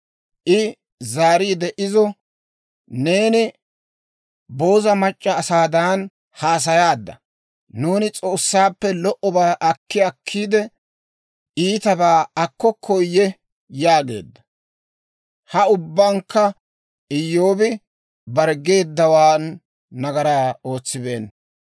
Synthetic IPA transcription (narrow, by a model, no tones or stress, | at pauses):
ʔɪ | zaːɾiːd̪ɛʔɪzɔ | ne̞ːnɪ | bo̞ːzɐmɐt͡ʃʼːɐːsaːd̪aːn | haːs̬ɐjaːd̪ːɐ̰ | nuːnɪt͡sʼo̞ːsːaːpːɛlɔʔɔbaːʔɐkːɪɐkʰːiːd̪ɛ | iːt̪ɐbaːɐkːɔkʰːɔjːɛ | jaːɡe̞̰ːd̪ːɐ̥ | hɐʊbːaŋkːɐ | ɪjːo̞ːbɪ | bɐɾɡe̞ːd̪ːɐwaːnː | ɐɡɐɾaːo̞ːt͡sːɪbe̞̰ːn